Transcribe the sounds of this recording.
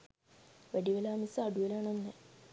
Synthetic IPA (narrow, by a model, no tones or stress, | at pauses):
ʋɐɽiʋɐlaːmisɐɐɽujɐlaːɳonːe